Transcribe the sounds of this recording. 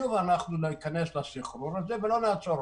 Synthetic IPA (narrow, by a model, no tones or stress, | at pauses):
uvanaχnuliikaneslasiχɾuɾazevelo̞naːt͡so̞ɾ